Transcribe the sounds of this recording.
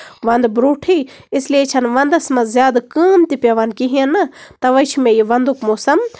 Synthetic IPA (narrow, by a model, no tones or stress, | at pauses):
ʋɐnd̪bɾoːʈʰi | islijet͡ʃʰɐnʋɐnd̪ɐsmɐzjaːd̪kɨːmt̪ipʲɐʋɐnkiɦijɐnːɐt̪ɐʋɐjt͡ʃʰumẽjiʋɐnd̪ukmoːsɐm